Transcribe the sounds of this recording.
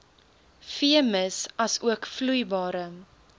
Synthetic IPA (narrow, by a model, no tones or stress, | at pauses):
fiəməsɐsuəkflujbɑːɾə